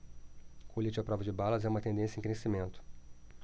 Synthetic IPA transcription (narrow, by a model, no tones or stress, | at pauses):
kolit͡ʃɪɐpɾɔvɐd͡ʒɪbalɐzɛũmɐt̪ẽnd̪ẽsjɐẽkɾesimẽnt̪ʊ̥